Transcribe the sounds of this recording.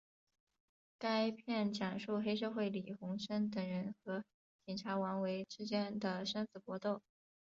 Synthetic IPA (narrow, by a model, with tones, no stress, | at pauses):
ka˥ɪpʰjɛ˥˩nt͡ɕjɑ˨˩ŋʂu˥˩xe˥ɪʂ̬ɤ˥˧xwe˥˩ɪli˨˩xʊ˧˥ŋʂə˥nt̪ɤ˨˩ŋɻə˧˥nxɤ˧˥ | t͡ɕi˨˩nʈ͡ʂʰa˧˥wa˧˥nwe˧˥ɪʈ͡ʂɻ̩˥t͡ɕjɛ˥nd̪ə˨ʂə˥nt͡sɹ̩˨˩pwɔ˧˥t̪o˥˩ʊ